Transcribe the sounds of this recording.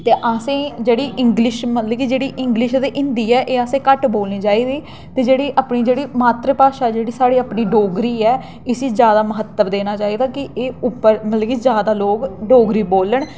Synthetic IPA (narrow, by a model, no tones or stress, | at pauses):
t̪eːʔaːsẽːd͡ʒeːɽiːʔɪ̃ŋɡlɪʃmət̪ləɡiːd͡ʒeːɽiːʔɪ̃ŋɡlɪʃd̪eːʔɪ̃nd̪iːɛːʔeːaːsẽːkəʈboːlniːt͡ʃaːiːd̪iː | t̪eːd͡ʒeːɽiːʔaːpniːd͡ʒeːɽiːmaːt̪ɾəpaːʃaːd͡ʒeːɽiːsaːɽiːaːpniːɖoːɡɾiːɛː | ɪsiːzjaːd̪aːməɦət̪ːəʋd̪eːnaːt͡ʃaːiːd̪aːkɪeːʊpːəɾmət̪ləɡiːzjaːd̪aːloːɡɖoːɡɾiːboːləɳ